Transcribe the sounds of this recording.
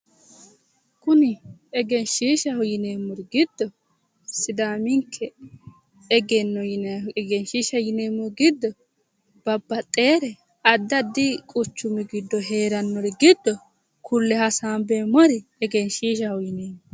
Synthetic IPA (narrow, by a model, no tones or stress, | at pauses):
kʊnɪɛɡɛnʃiːʃɐhɔjɪneːmːɔɾɡɪd̪ːɔ | sɪd̪aːmɪŋkʰːɛ | ɛɡɛnːɔɡɛnʃiːʃɐjɪneːmːɔɡɪd̪ːɔ | b̥ɐbːɐt̪ʼːe̞ːɾɛ | ɐd̪ːɐd̪ːɪkʼʊt͡ʃːʊmɪɡɪd̪ːɔɦe̞ːɾɐnːɔɾɛɡɪd̪ːɔ | kʰʊlːɛhɐsaːmbeːmɔɾɪɛɡɛnʃiːʃ̬ɐhʊjɪneːmːɔ